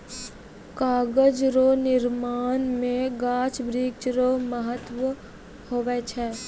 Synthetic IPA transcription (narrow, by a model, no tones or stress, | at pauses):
kaːɡəd͡ʒɾoːnɪɾmaːnmẽɡaːt͡ʃbɾiːkt͡ʃɾoməɦət̪ʋə | hoːʋɛt͡ʃʰɛː